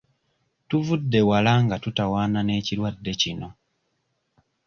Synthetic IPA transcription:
tuvudːe̞walaŋɡatutawaːnane̞ːciɾwadːe̞cino̞

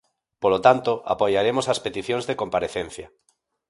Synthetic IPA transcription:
polot̪ant̪oa̰pojaɾemosaspet̪iθjõnzðekompaɾeθẽn̟θja

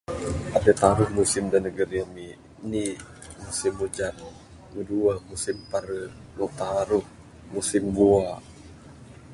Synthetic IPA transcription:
ʔadət̪aɾuhmusɪmdanːəɡəɾiami | ni | musimːud͡ʒan | muduamusimpaɾə | nut̪aɾuh | musɪmbua

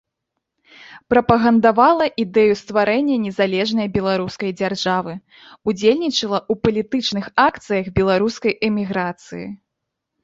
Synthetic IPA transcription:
pɾɐpɐɣɐnd̪avalˠɐʔid̪ɛjust̪vaɾɛnʲːɐnʲɛzalʲɛʐnɐjbʲɛlˠaɾuskɐjd͡zʲarʐavɨ | ud͡zʲelʲnʲit͡ʂɐlˠɐupɐlʲit̪ɨt͡ʂnɨxakt̪sɨjɐɣbʲɛlˠaɾuskɐjʔɛmʲiɣɾat̪sɨjḭ

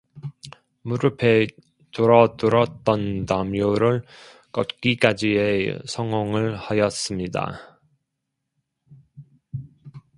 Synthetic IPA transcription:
muɾɯpʰe̞ | toɾʌdɯɾʌt̚t͈ʌntamjoɾɯɭ | k͈ʌtk͈ik͈ad͡ʑiesʰʌŋʌŋɯɭhajʌs͈ɯmɲida̰

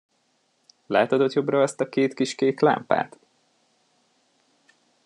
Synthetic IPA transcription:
laːt̪ɒd̪o̞t̪jo̞brɒɛst̪ɒkeːt̪kiʃkeːkla̰mpa̰ːt̪

